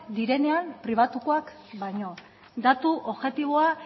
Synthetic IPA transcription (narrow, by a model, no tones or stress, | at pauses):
d̪iɾe̞ne̞ampɾiβ̞at̪uko̞akbajɲo̞ | d̪at̪uʔoβʝe̞t̪iβ̞oa